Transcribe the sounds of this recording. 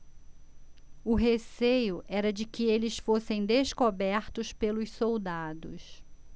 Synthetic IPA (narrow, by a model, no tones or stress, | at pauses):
ʊɦesejʊʔɛɾɐd͡ʒɪkɪelɪsfosẽj̃d̪eskobɛɾt̪ʊspelʊssowd̪ad̪ʊs